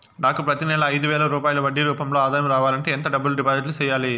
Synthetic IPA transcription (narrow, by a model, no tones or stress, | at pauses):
naːkupɾɐt̪inɛlɐːjd̪uʋɛːlɐɾuːpaːjlɐʋɐɖːiɾuːpɐmloːaːd̪aːjɐmɾaːʋaːlɐɳʈe̞ːnt̪ɐɖɐbːɐlɖipaːziʈ̬lut͡ʃɛːjaːli